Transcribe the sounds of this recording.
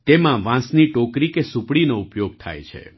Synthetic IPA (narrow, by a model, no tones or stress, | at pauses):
t̪emãʋãsniʈokɾikesupɽinoupjoɡ̚t̪ʰa̰jt͡ʃʰḛ